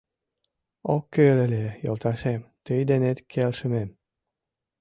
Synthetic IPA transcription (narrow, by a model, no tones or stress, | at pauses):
okːølelʲejo̰lˠt̪ɑʃemt̪əjd̪enet̪kʰelʃə̆mem